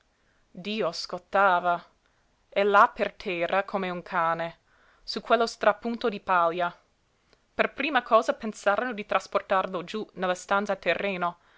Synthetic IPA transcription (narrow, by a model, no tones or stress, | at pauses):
d̪iːoskot̪ːaːva | elapert̪ʰɛːrakʰomeuŋkʰaːne | sukʰwelːost̪ɾapunt̪od̪ipalja | perpɾiːmakʰɔːzapensaːɾanod̪it̪ɾʔasport̪arlod͡ʒunelːast̪ant̪sat̪erːeːno